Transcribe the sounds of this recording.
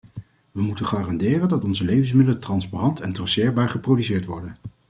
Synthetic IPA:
ʋəmutəχaːrɑndɪːrəndɑtɔnzəlejvəns̬mɪdələtrɑnsparɑntɛntrɑsɪːɹbaːɹχəprowdysɪːɹtʋɔɹdən

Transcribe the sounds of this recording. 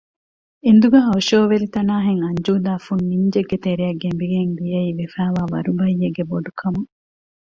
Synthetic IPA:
end̪uɡɐːɦɐwʃoːʋelit̪ɐnaːɦeŋɐɲd͡ʒuːd̪aːfunːiɲd͡ʒeɡːet̪eɾiɐɡːembiɡeŋd̪ijɐiːʋefæːʋaːʋɐ̰ɾubɐjːeɡːeboɖukʰɐmu

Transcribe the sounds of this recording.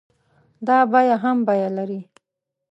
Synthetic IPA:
d̪ɑbajaɦambajalaɾi

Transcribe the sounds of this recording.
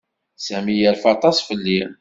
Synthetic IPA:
sæmijəɾfɑt̪ˤɑsˤfəlːi

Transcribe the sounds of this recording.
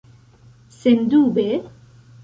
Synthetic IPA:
send̪uːbe

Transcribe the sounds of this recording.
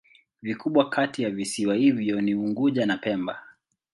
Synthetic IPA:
vikuɓwakatijavisiwahivjɔniuŋɡuʄanapɛmba

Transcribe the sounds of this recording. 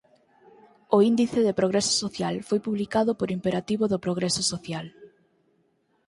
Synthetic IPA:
oind̪iθɪðepɾoɣɾɛsʊ̥soθjalfojpuβlikaðʊpoɾimpeɾat̪iβoðʊpɾoɣ̞ɾɛsosoθjal

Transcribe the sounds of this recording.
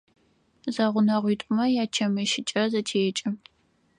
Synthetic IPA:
zaʁʷʊnɐʁʷiːtʷʼʊmɐjaːt͡ʃʰɐmɐʃɪt͡ʃʼɐzɐtʰeːɛt͡ʃʼɨ

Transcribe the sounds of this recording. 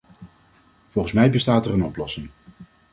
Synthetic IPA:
v̥ɔlˠχənsmɛjbəstaːtɛrənɔplɔsɪŋ

